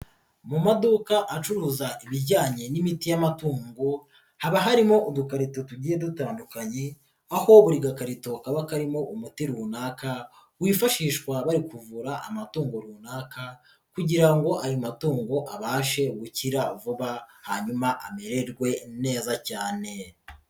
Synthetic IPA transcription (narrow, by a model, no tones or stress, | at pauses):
mumaduːkaʔat͡ʃuɾuzaʔiβiɾɟaːɲe̞nimitijamatuːŋɡo | haβaɦaɾimo̞ʔudukaɾitotuɟiːjedutaːndukaɲe | aho̞βuɾiɡakaɾito̞kaβakaɾimo̞ʔumutiɾuːnaːka | wiːfaʃiːʃkwaβaɾikuvuɾaʔa̰matuːŋɡoɾuːnaːka | kuɟiɾaŋɡo̞ʔajumatuːŋɡoʔaβaːʃe̞ɡuciɾavuβahaɲumaʔameɾe̞ɾɡwe̞ne̞ːzacaːne̞